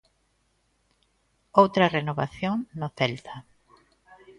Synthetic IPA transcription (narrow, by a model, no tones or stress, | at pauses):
owt̪ɾɐrenoβaθjoŋnoθɛlt̪a